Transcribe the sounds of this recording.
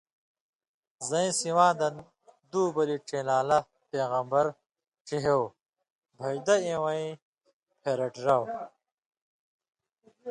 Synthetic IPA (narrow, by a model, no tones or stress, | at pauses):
zɐĩsiwãːd̪ɐn | d̪uːbɐliʈ͡ʂelaːlɐ | peːɣɐmbɐɾ | ʈ͡ʂiɦew | bʱɐjd̪ɐẽwɐĩ | pʰeːɾɐʈɾɐw